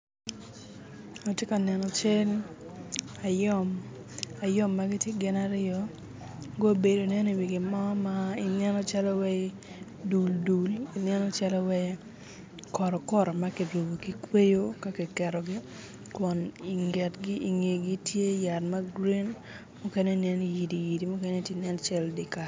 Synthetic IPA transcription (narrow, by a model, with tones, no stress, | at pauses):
o˨tje˦ka˨nɛ˨nɔ˨t͡ʃe˦l | a˨jɔ˦˨m | a˨jɔ˦mːa˦ɡɪ˦tje˦ɡɪ˦na˦ɾɪɔ˨ | ɡo˦be˨do˨nɛ˦ni˨wi˨ɡɪ˨mɔ˦ma˦i˨nɛ˦nɔ˦t͡ʃa˦lɔ˦wɛ˦ | du˨ldu˨li˨nɛ˦nɔ˦t͡ʃa˦lɔ˦wɛ˦ | kɔ˨ɾɔ˨kɔ˦ɾɔ˨ma˦ki˨ɾu˨bo˨ki˨kwe˦jo˦ka˦kɛ˨kɛ˨ɾɔ˨ɡɪ˦ | kwɔ˨ni˨ŋɡɛ˨tɡɪ˦ʔi˨ŋe˨ɡi˦tje˦ja˨tma˦ɡɾi˦n | mu˦kɛ˦nɛ˦nɛ˦niji˨di˨ji˨di˨mu˦kɛ˦nɛ˦tje˦nɛ˦nt͡ʃɛ˦ldi˨ka˨